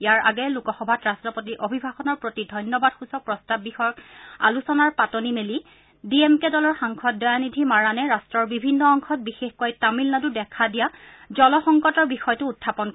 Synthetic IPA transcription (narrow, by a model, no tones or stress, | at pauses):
jaɹa̰ɡɛlukɔxɔbʱatɹastɹɔpotiʔobʱibʱaxɔnɔɹpɹotidʱɔjnjɔbad̥̚xusɔk̚pɹɔstabːixɔjɔka̰lusɔnaɹpatonimeli | diemkɛdɔlɔɹxaŋkʰɔt̚dɔjanidʱimaɹanɛɹastɹɔɹbibʱinːɔɔŋxʰɔt̚bixexkojtamilnadʊdɛkʰadijazɔlɔxɔŋkɔtɔɹbixɔjtʊːtʰːapɔnk